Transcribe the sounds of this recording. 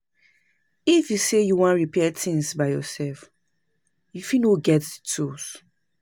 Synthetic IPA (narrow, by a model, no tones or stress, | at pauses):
ifjusejuwãnɹipʰɛtĩŋsbaɪjɔsɛlf | jufinoɡɛtditʰus